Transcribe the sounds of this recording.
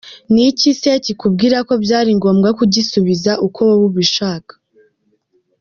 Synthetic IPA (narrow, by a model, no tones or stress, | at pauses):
nicisecikubɡiːɾako̞bɟaːɾiŋɡo̞ːmɡakuɟisuβizaʔukʰo̞woβuβiʃaːkḁ